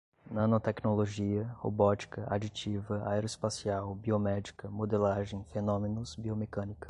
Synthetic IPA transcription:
nɐ̃not̪ɛknoloʒiɐho̰bɔt͡ʃi̥kɐʔa̰d͡ʒit͡ʃivɐa̰eɾoɪspasiawbiomɛd͡ʒikɐmod̪elaʒẽj̃fenõmenʊzbiomekɐ̃nikɐ̥

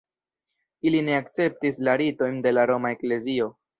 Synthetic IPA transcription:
iline̞akt͡se̞p̚tislaɾito̞jnde̞laɾo̞mae̞kle̞zio̞

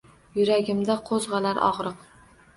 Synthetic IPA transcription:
jʊɾaɡʲɪmd̪aqʰozʁɑlaɾʔɒ̰ʁɾɨq

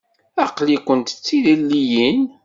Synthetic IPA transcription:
ɑqlikʷənt̪ə̥t͡sːiðilːijin

